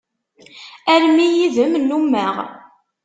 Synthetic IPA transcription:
æɾmijiðəmlːumːæʁ

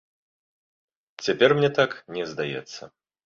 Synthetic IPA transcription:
t͡sʲapʲɛrmnʲɛt̪aknʲɛzd̪ajɛ̰t̪sːɐ̰

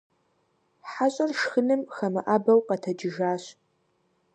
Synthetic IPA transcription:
ħaɕʼɐrʃxɨnɨmxɐmɨʔabɐwqɐtʰɐd͡ʒɪʒaːɕ

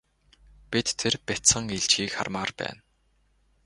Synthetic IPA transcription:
pʲit̪ʰːerpʲæt͡sə̆ŋiɮt͡ɕiːkχa̰rmaːrpæ̰ːn

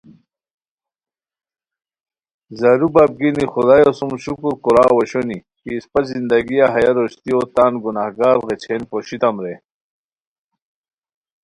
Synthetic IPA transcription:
zaɾubaːb̚ɡinixud̪aːjosumɕukuɾkuɾaːwɐɕoni | kispɐzind̪ɐɡijaɦɐjaɾoɕt̪iot̪aːnɡunahɡaːɾɣet͡ɕʰenpoɕit̪ɐmɾe

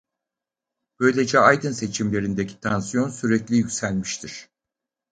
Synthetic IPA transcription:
b̥ø̞jlʲe̞d͡ʒɛajd̪ɯnse̞t͡ʃʰimlʲe̞ɾind̪ecʰi̥t̪ʰansijo̞nsyɾɛclʲijycʲsælʲmiʃt̪ʰiɾ̥

